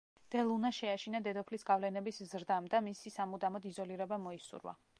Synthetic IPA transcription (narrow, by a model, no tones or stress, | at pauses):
d̪̥ɛlˠunaʃɛaʃinad̪ɛd̪ɔpʰlisɡavlɛnɛbiszɾd̪amd̪amisisamud̪amɔd̪izɔliɾɛbamɔisṵɾwa̰